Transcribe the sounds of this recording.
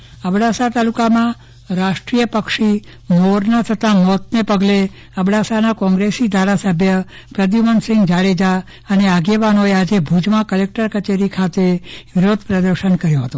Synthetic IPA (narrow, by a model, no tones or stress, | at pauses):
əbɽasat̪alukamã | ɾaʃʈɾijəpəkʃi | moɾnat̪ʰət̪amɔt̪nepəɡle | əbɽasanakɔ̃ŋɡɾesid̪ʱaɾasəbʱjə | pɾəd̪imənsɪŋɡd͡ʒaɭed͡ʒa | əneaɡeʋanoead͡ʒebʱud͡ʒmãkəlek̚ʈəɾkət͡ʃeɾikʰat̪eʋɪɾod̪ʱpɾəd̪əɾʃənkəɾjõɦət̪o